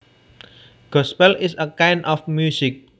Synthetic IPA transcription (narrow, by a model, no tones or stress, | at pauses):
ɡ̥ɔspɛlɪsəkajnʔɔfmjusɪk̚